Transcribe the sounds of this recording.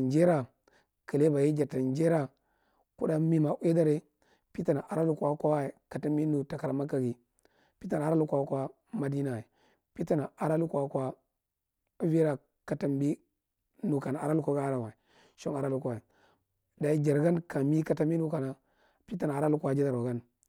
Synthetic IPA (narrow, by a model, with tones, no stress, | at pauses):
nd͡ʒe˦ɾa˨ | kə˨le˦ba˨ji˦d͡ʒa˨ɾta˨nd͡ʒe˦ɾa˦ | ku˦da˦mi˦ma˨ʔʷwe˦da˦ɾe˦ | pi˦ta˨na˨ʔa˨ɾa˦lu˦kʷa˦kʷa˦wa˦e˨ka˨ta˦mi˦nu˨ta˨ka˨ɾa˨ma˦ka˨ɡi˨ | pi˦ta˨na˨a˨ɾa˦lu˦kʷa˨˦kʷa˦ | ma˦di˦na˨e˨ | pi˦ta˦˨na˨ʔa˨ɾa˦lu˦ka˨kwa˦ | vi˦ɾa˨ | ka˨ta˨mbi˦ | nu˨ka˨na˨a̰˨ɾa˦lu˦kʷa˦ɡa˦a˦ɾa˨wa˨i˨ | ʃo˦ŋa˨ɾa˦lu˦kʷa˨e˨ | da˨i˦d͡ʒa˨ɾɡa˦nka˨mi˦ka˦ta˦mi˦nu˦ka˨na˨ | pi˦ta˨na˨a˨ɾa˦lu˦ka˦d͡ʒe˦da˨ɾwa˨ɡa˦n